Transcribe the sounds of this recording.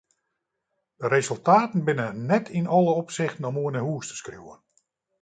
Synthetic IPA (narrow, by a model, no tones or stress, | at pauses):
d̥əɾezɵlˠtaːtn̩bɪnənɛtʰinɔlˠəɔpsɪxtən̩ɔmuənəɦuəstə̥skrjṵwə̰n